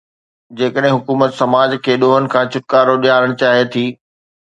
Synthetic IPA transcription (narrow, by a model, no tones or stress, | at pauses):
d͡ʑeːkəɗɦɪ̃ɦʊkuːmət̪sɐmaːd͡ʑkʰeːɗoːɦənɪ̆kʰãːt͡ɕʰʊʈ̚kaːɾoɗijaːɾəɽ̃t͡ɕaːɦiet̪ʰiː